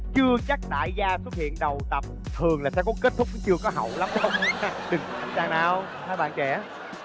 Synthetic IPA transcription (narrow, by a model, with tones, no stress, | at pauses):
t͡ɕɨ˧ət͡ɕa˦˥k̚ɗa̰ː˧˩jzaː˧swə˦˥t̚hḭ˧˨ənɗə˨˩wt̪ə˨˩p̚t̪ʰɨ˨˩əŋlaː˨˩sɛ̰˧˥kɔ˨˦ke˦˥t̚t̪ʰʊ˦˥k͡p̚t͡ɕɨ˧əkɔ˨˦ɦə̰˨wla˨˦mxə˧wŋ͡mɗɨ˨˩ŋ˨˦˨zaː˧˩ŋnaː˨˩w | t̪ʰaː˨˦jɓa̰ː˧˨nt͡ɕɛ˧˩˦